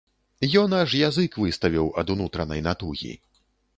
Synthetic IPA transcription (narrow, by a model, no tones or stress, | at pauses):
jɔnaʂjazɨkvɨst̪ɐvʲiwɐd̪unut̪ɾɐnɐjnat̪uɣʲḭ